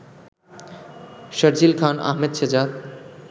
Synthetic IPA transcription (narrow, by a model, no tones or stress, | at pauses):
ʃʌɾd͡ʑilkʰanʔa̰ɦmed̪ʃʰed͡ʑad̪̚